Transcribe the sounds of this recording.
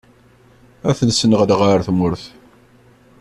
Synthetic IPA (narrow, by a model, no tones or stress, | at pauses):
æθənsənəʁðʁəɾθmʊɾθ